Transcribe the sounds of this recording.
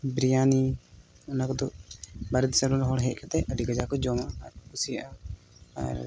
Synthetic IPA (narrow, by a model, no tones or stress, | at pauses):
bɾijani | ɔnakɔd̪ɔbaɾɛd̪səɾuɾɦɔɽɦɛc̚kat̪ɛəɖiɡad͡ʒakɔd͡ʒɔmaʔakusijaʔa | a̰ɾ